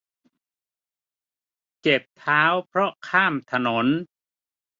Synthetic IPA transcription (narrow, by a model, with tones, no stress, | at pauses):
t͡ɕe˨˩p̚t̪ʰaː˦˥wpʰɾɔ˦˥kʰaː˥˩mt̪ʰa˧no˩˦n